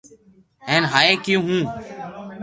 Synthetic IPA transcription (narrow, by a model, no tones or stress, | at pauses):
eːnɦaːeːkijũːɦũː